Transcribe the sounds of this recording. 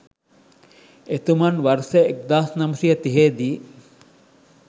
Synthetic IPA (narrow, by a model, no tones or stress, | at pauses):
et̪umɐnʋɐɾseek̚d̪aːsnɐmusijɐt̪iɦeːd̪iː